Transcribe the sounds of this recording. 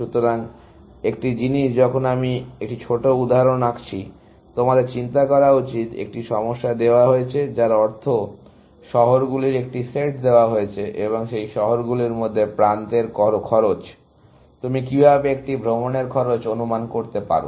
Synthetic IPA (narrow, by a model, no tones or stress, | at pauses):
ʃut̪oɾaŋ | ek̚ʈid͡ʑiniʃd͡ʑɔkʰonamiek̚ʈit͡ɕʰoʈoud̪ʱaɾonakt͡ɕʰi | t̪omad̪eɾt͡ɕint̪akɔɾaut͡ɕit̪ḛk̚ʈiʃɔmoʃːad̪eoaɦoet͡ɕʰed͡ʑaɾɔɾt̪ʰo | ʃɔɦoɾɡuliɾek̚ʈiseʈd̪eoaɦoet͡ɕʰeʔeβoŋʃejʃɔɦoɾɡuliɾmod̪ʱːepɾant̪eɾkɔɾokʰɔɾot͡ɕ | t̪umikibʱabeek̚ʈibʱɾomoneɾkʰɔɾot͡ɕonumankoɾt̪epa̰ɾo̰